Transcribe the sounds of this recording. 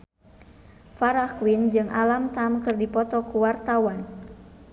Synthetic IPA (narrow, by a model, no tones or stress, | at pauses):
faɾakwind͡ʒɨŋʔalamt̪amkɨrdipɔt̪ɔkuwart̪awan